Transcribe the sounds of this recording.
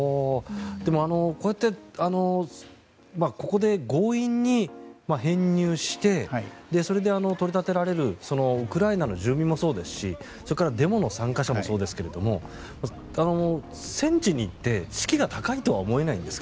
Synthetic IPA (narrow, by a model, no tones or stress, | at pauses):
od̪̥e̞mo̞ano̞ko̞jat̪ːe̞ano̞ | mako̞ko̞d̪e̞ɡo̞ːĩɲ̟ːimaɦẽ̞ɲ̟ːʲɨːɕi̥t̪e̞d̪e̞so̞ɾe̞d̪e̞ano̞t̪o̞ɾʲit̪at̪e̞ɾaɾe̞ɾɯ̟so̞no̞ɯ̟kɯ̟ɾainano̞ʑɨːmʲĩmːoso̞ːd̪e̞sɨ̥ɕḭ | so̞ɾekaɾad̪e̞mo̞no̞sãŋkaɕamo̞so̞ːd̪e̞sɨ̥ke̞ɾe̞d̪o̞mo̞ | ma | ano̞ | sẽ̞ɲ̟t͡ɕiɲ̟iːt̪ːe̞t͡ɕi̥kʲiɡat̪akait̪o̞βa̰omo̞e̞naḭ̃nd̪e̞sɨ̥ka